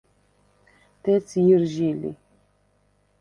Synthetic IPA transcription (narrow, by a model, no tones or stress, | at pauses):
t̪et͡sjirʒilḭ